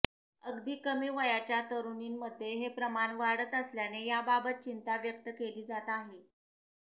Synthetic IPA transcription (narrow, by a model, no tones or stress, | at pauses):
əɡd̪iːkəmiːʋəjat͡ɕjat̪əɾuniːnməd̪ʱːjeɦepɾəmaɳʋaɽət̪əsljanejababət̪̚t͡ɕint̪aʋjəkt̪əkeliːd͡zat̪aɦe